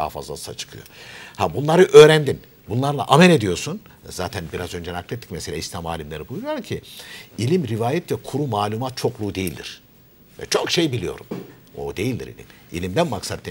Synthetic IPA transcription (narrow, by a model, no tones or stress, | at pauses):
a̰hfa̰zlˠa̰sla̰t͡ʃʰɯ̥kʰɯ̰jo̞̰habunlˠaɾɯʔø̞ːɾænd̪in | bunlˠaɾlˠa̰ʔamɛlʲe̞d̪ijoɾsun | zaːt̪ʰænbiɾazø̞nd͡ʒenaklʲet̪ʰːi̥cmeselʲaislʲamaːlʲimlʲe̞ɾibujuɾujoɾcʰiilʲimɾivaːjɛt̪vɛkʰuɾumaːlʲˠumat̪̚t͡ʃʰo̞klˠuːd̪e̞jilʲd̪ḭɾ̥ | vɛ̰t͡ʃʰo̞kʃe̞jbilʲijo̞̰ɾum | o̰d̪e̞jilʲd̪ḭɾḭlʲḭm | ḭlʲimd̪ænmaksat̪̚ːi